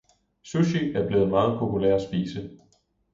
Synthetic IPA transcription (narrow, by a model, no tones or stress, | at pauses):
suɕiæɐb̥le̝ːð̞̩ˠmɑ̈ːð̩ˠpʰo̝pʰulḛɐsb̥ḭːsə